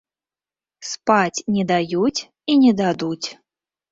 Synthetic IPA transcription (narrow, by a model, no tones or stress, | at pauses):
spat͡sʲnʲɛd̪ajut͡sʲ | inʲɛd̪ad̪ut͡sʲ